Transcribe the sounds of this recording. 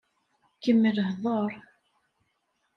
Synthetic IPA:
kəmːəlɦðˤəɾˤ

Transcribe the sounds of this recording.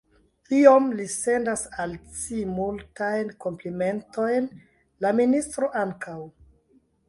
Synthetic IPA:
iomlise̞ndasalt͡simultajnkomplime̞nto̞jn | laministɾo̞ʔaŋkaw

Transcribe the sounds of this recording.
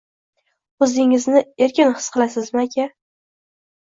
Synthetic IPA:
ɵzɪŋɪznɪe̞ɾkʲɪnhɨ̥sqʰɨlˠasɪzmaakʲʰa

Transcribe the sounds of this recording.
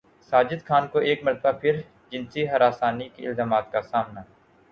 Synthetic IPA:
saːd͡ʒɪd̪kʰaːnkoʔeːkmɐɾt̪ʰəbapʰɪɾ | d͡ʒɪ̃nsiɦɐɾaːsaːnikiɪ̰lzaːmaːt̪kasaːmna

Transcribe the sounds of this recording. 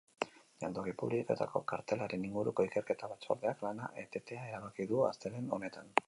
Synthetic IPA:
jand̪oɣipuβliko̞t̪a̰ko̞̰kaɾt̪e̞laɾe̞niŋɡuɾuko̞ike̞ɾke̞t̪aβat͡so̞̰ɾðe̞aklana̰ʔet̪e̞t̪e̞ae̞ɾaβakiðua̰st̪eɾe̞no̞ne̞t̪an

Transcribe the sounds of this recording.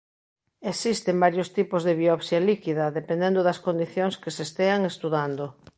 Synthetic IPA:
esist̪embaɾjost̪ipozðeβiɔβsjalikiðɐðepẽnd̪end̪oðɐskond̪iθjoŋskesest̪eaŋest̪uðand̪o

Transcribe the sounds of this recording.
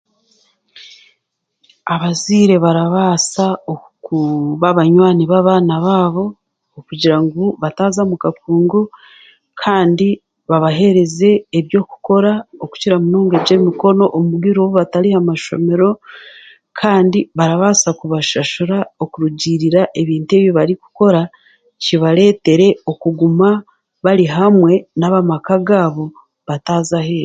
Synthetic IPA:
aβaziːɾe̞βaɾaβasao | kuβaβaɲwaːniβaβaːnaβaːβo̞ː | kuɟiɾaŋɡuβataːzamukakuːŋɡo | kʰaːndi | βaβaɦe̞ɾe̞ze̞ːβjo̞ːku̥ko̞ɾaoku̥ciɾamuno̞ːŋɡe̞βɟe̞ːmiko̞no̞ʔomuβɡiɾoβuβataɾihamaʃo̞̰me̞ɾo̞ | kʰaːndiβaɾaβasakuβaʃaʃuɾaokuɾuɟiɾiɾaʔe̞βiːntue̞ːβjoβaɾiku̥ko̞ɾa | ciβaɾe̞ːte̞ɾe̞okuɡuma | βaɾiɦamwe̞naβamakaɡaːβo̞ | βataːzahe̞ɾ

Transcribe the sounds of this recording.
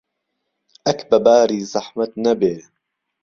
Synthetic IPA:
ʔɐkbɐbaːɾiːzɐħmɐt̪nɐbeː

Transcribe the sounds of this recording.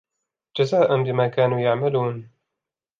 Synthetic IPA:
d͡ʒazaːʔanbɪmaːkaːnuːjaʕmaluːn

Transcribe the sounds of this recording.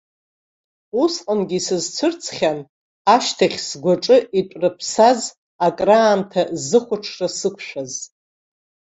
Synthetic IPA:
usqʼamɡʲisɨzt͡sʷʰʊrt͡sʰχʲan | aʃtʰaχʲsɡʷaʈ͡ʂʼɨʔitʷʼrɨpʰsaz | akʼraːntʰazɨχʷʊʈ͡ʂʰrasɨkʷʰʃᶣaz

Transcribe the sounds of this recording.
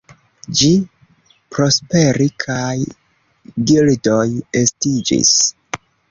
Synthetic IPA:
d͡ʒi | pɾo̞spe̞ɾikʰaj | ɡildo̞je̞stid͡ʒḭs

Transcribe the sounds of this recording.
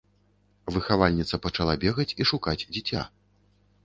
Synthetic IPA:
vɨxavalʲnʲit̪sɐpɐt͡ʂalˠabʲɛɣɐt͡sʲiʂukad͡zʲd͡zʲit͡sʲa̰

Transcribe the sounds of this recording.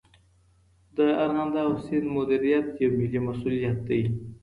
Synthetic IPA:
d̪əaɾɣand̪awsɪnd̪mʊd̪iɾijat̪jawmɪlimasulijat̪̚d̪əi

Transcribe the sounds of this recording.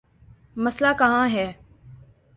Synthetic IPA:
məslaːkəɦãːɦɛː

